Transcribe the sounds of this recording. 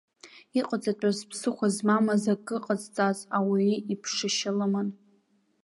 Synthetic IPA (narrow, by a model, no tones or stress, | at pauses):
iqʼat͡sʼatʷʼazpʰsɨχʷazmamazaɡʼɨqʼad͡zt͡sʼazawiipʰʂɨʃɪlaman